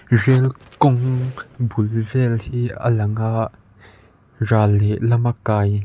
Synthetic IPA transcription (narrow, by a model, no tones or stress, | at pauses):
rɛlkɔŋbulvɛlhiə̰lɐŋaʔ | raːlɛʔlɐmakːaːj